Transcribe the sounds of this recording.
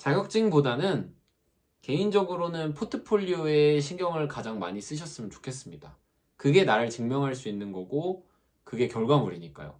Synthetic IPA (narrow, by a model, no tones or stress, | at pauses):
t͡ɕaɡjʌk̚t͡ɕ͈iŋbodanɯn | ke̞ind͡ʑʌɡɯɾonɯnpʰotʰɯpʰoʎːue̞ɕʰiŋɡjʌŋɯɭkad͡ʑaŋma̰ɲis͈ɯɕʰʌs͈ɯmjʌnt͡ɕo̥kʰe̞s̬͈ɯmɲida | kɯɡe̞naɾɯɭt͡ɕɯŋmjʌŋɦaɭs͈uinːɯnɡʌɡo | kɯɡe̞kjʌɭɡwamuɾiɲik͈a̰jo̰